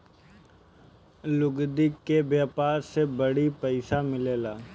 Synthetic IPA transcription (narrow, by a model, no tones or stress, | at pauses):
lʊɡd̪ɪkːebjeːpaːɾsebəɽipəɪsamɪleːlaː